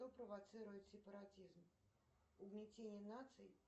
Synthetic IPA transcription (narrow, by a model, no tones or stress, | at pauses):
ɔpɾəvat̪sɨɾʊjʊt̪ʲsʲɪpəɾat͡sʲizm | ubnʲɛt͡sʲenʲjənat̪sɨj